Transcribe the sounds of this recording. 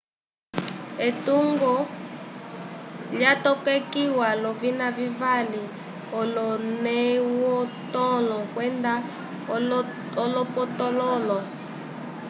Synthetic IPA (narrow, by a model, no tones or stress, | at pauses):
etuŋɡɔ | ljatɔkɛkiwalɔvinavivali | ɔlɔnɛwɔtɔlɔkwɛnda | ɔlɔpɔtɔlɔlɔ